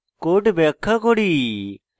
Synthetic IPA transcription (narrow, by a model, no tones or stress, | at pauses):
koːʈbeːkʰːaːkoːɽiː